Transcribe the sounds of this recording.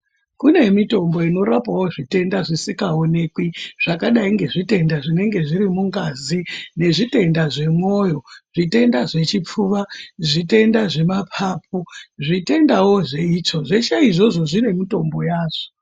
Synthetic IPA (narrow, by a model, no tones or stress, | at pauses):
kune̞mito̞mbo̞ino̞ɾapawo̞ʐite̞ndaʐisikao̞ne̞kwiʐ̥akaɗaiŋɡe̞ʐite̞ndaʐine̞ŋɡe̞ʐiɾimuŋɡazine̞ʐite̞ndaʐe̞mo̞ːjo̞ʐ̥ite̞ndaʐe̞t͡ʃip͡fuʋaʐite̞ndaʐe̞mapʰaːp̚ʰoʐite̞ndawo̞ʐe̞iːt͡ʃo̞ʐe̞t͡ʃaiʐo̞ʐo̞ʐine̞mito̞mbo̞jaːʐo̥